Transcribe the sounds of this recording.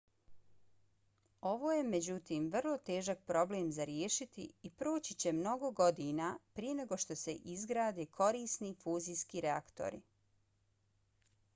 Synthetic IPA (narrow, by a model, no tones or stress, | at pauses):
o̞ʋoːjemed͡ʑut̪iːmʋr̩lˠo̞t̪e̞ːʒak̚pɾo̞bleːmzaɾjeʃit̪ḭipɾoːt͡ɕit͡ɕe̞mno̞ɡo̞ɡo̞d̪inapɾije̞ne̞ɡo̞ʃt̪o̞se̞ʔizɡɾaːd̪eːkʰo̞ɾiːsnifuːziːskiɾeakt̪o̰ɾḭ